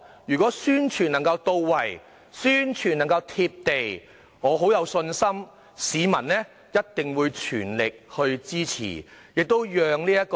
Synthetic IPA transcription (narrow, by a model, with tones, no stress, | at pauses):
jyː˨˩kʷɔː˨˥syː˥nt͡ʃʰyː˨˩nɐ˨˩ŋkɐ˧wt̪o˧wːɐ˨˩j | syː˥nt͡ʃʰyː˨˩nɐ˨˩ŋkɐ˧wt̪ʰiː˧p̚t̪e˨j | ŋɔː˨˧ɦo˨˥wjɐ˨˧wsɵ˧nsɐ˥m | siː˨˧mɐ˨˩nlɛː˥ | jɐ˥t̚t̪ɪ˨ŋwuː˨˧jt͡ʃʰy̰ː˨˩nlɪ˨k̚hɵ˧ɥt͡siː˥t͡sʰḭː˨˩jɪ˨k̚t̪o˥wjœː˨ŋliː˥jɐ˥t̚kː